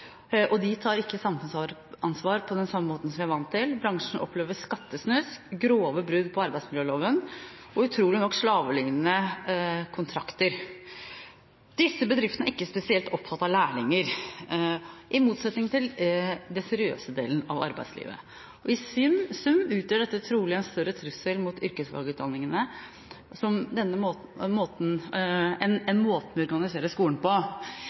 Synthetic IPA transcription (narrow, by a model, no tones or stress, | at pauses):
ʔɔd̪ɪt̪ʰɑːɾɪkːəsɑmfʉnsɑɾʔɑnsʋɑːɾpʰɔd̪ɛnsɑmːəmoːt̪n̩sɔmʋɪæʋɑnt̪ʰːɪlbɾɑŋʂɳ̩ɔ̰pʰleːʋəʂkɑt̪ːəsnœskɡɾoːʋəbɾʉd̪pʰɔɑɾbæɪdsmɪljøːloːʋən | ɔʉt̪ʰɾuːlɪnɔkːʂɭɑːʋəlɪŋənə | kʰʊnt̪ʰɾɑkt̪əɾ | d̪̥ɪsːəbəd̪ɾɪft̪ənəʔɪkːəspɛsɪɛlt̪ɔpːfɑt̪ːɑlæːɭɪŋəɾ | ʔɪmuːt̪sɛt̪nɪŋt̪ʰɪld̪ɛsɛɾɪø̰ːsəd̪ḛːlən̩ɑʋɑ̰ɾbæ̰ɪslḭːʋə̰ | ɔɪsʏmsʉmʉːt̪jœːɖɛt̪ːət̪ʰɾuːlɪɛnst̪œɾət̪ʰɾʉsəlmut̪ʏɾkəsʋɑ̰lɡəʉt̪̚d̪ɑnːɪŋənə | sɔmd̪ɛnːəomoːt̪nɛnɛnmoːt̪ənmɛɔɾɡɑnɪseːɾəskuːln̩pɔ